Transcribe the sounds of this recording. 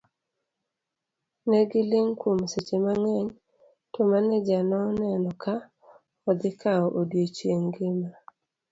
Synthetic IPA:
nɛɡɪlɪŋkomset͡ʃemaŋɛɲ | tɔmanɛd͡ʒanɔnnɛnɔka | ɔd̪ɪkaɔʔodjot͡ʃeŋɡɪma

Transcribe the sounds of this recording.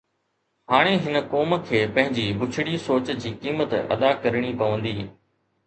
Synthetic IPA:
ɦaːɽ̃eɦɪnəkoːmkʰeːpɐ̃ɦɪ̃ɲd͡ʑiːbʊt͡ɕʰɪɽisoːt͡ɕd͡ʑiːkiːmət̪ɐ̰d̪akɐɾɽ̃ipɐʋə̃nd̪iː

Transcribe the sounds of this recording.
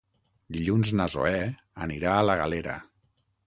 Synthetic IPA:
d̪iʎunznəzo̰ɛ | əniɾaələɣaleɾə̰

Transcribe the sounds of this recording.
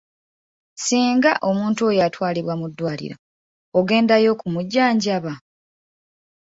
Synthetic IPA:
siːŋɡaʔo̞muːntuojatwaːliβwamudːwaːlḭɾo | oɡe̞ːndajo̞kumuɟːaːɲɟaβa

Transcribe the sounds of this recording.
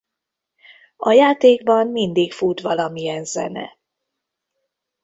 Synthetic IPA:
ɒjaːt̪eːɡbɒmːind̪ikfuːt̪ʋɒlɒmijɛnzɛ̰nɛ̰

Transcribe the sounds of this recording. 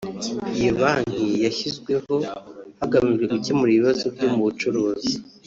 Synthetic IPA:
ijoβaːn̥hijaçizɡwe̞ho̞haɡamiʒwe̞ʔucemuɾiiβazo̞bɟoːmuβut͡ʃuɾoːzi

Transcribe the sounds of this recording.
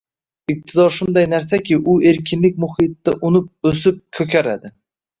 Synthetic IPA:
ɪq̚t̪ʰɪd̪ɒɾʃʊnd̪ajnaɾsakʲɪʔʊe̞ɾkʲʰɪnlɪk̚ʲmʊhɪt̪ːaʔʊnɪp̚ɵsɪp̚kʰɵkʲaɾad̪ɪ

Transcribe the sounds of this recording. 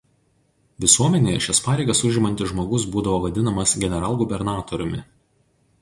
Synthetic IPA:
ʋʲɪsuɔmʲɛnʲeːjɛʃʲɛspɑːɾʲɛɪɡɐsʊʒʲɪmɐnʲt̪ʲɪʒmoːɡʊsbuːd̪ɐʋoːʋɐd̪ʲɪnɐmɐsɡʲɛnʲɛɾɑːlˠɡʊbʲɛɾnɑːt̪oɾʲʊmʲɪ

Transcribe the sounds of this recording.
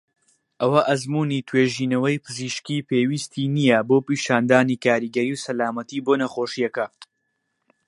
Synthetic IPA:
ʔɐwɐʔɐzmuːnit̪ʰweːʒiːnɐwɐjpʰɨziːʃkiːpeːwist̪ʰiːnijɐboːpiːʃaːnd̪aːniːkaːɾiːɡɐɾiːwsɐlaːmɐt̪iːboːnɐχoːʃijɐkɐ

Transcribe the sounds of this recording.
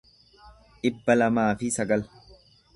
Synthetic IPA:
ʔɪbːɐlɐmaːfɪsɐɡɐl

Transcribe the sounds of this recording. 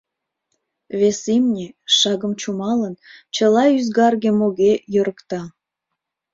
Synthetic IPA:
βesimnʲeʃɑɣəmt͡ɕumɑlənt͡ɕəlɑyzɡɑrɣemoɣejøɾəkt̪ɑ

